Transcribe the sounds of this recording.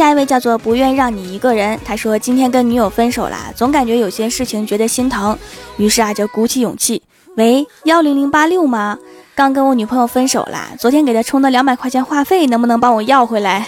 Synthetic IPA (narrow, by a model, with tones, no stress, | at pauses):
ɕja˥˧i˧˥e˥˧ɪt͡ɕjɑ˥˧ʊt͡swɔ˥˩pu˧˥ɥɛ˥˧nɻɑ˥˩ŋni˨˩i˧˥ɡə˧ɻə˧˥nt̪ʰa˥ʂwɔ˥t͡ɕi˥nt̪ʰjɛ˥nkə˥nny˧˥jo˨˩ʊfə˥nʂo˨˩ʊlɐ̰˦t͡sʊ˧˥ŋka˨˩nt͡ɕɥɛ˧˥jo˨˩ʊɕi˥jɛ˥nʂɻ̩˥˩t͡ɕʰi˨˩ŋt͡ɕɥɛ˧˥d̪ə˧ɕi˥nt̪ʰɑ˧˥ŋny˧˥ʂɻ̩˥˩a˩t͡ɕjɑ˥˩ʊku˧˥t͡ɕʰi˥˩jʊ̰˨˩ŋt͡ɕʰi˥˩ | we˧˥ɪjɑ˥˩ʊli˧˥ŋli˧˥ŋpa˥ljo˥˩ʊmɐ˨˩kɑ˥˩ŋkə˥nwɔ˧˥ny˨˩pʰɤ˧˥ŋjo˨˩ʊfə˥nʂo˨˩ʊlʔɐ̰˦t͡swɔ˧˥t̪ʰjɛ˥nke˨˩ɪt̪ʰa˥ʈ͡ʂʰʊ˥ŋd̪ə˧˨ljɑ˧˥ŋma˨˩ɪkʰa˥˩ɕʰjɛ˥nxwa˥˧fe˥˩ɪnə˧˥ŋbu˧nɤ˧˥ŋpɑ˥ŋwɔ˨˩jɑ˥˩ʊxwe˧˥ɪla˧˥ɪ